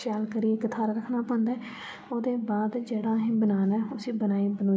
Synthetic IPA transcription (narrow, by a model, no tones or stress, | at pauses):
ʃaːlkəɾiːekət̪ʰaːɾɾəkʰnaːpɔ̃ːnd̪aː | oːd̪eːbaːd̪d͡ʒeːɽaːɦĩːbənaːnɛːʊsĩːbənaːiːbənoː